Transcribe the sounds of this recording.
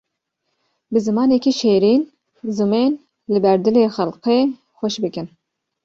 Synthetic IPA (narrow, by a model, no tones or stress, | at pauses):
bɨzɨmɑːnekiʃeːɾiːn | zɨmeːn | lɨbɛɾd̪ɨleːxælqeː | xʷɛʃbɨkɨn